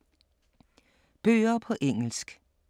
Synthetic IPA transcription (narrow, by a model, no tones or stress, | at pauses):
b̥ø̰ːɐpʰɒ̽ʔeŋ̰l̩sɡ̥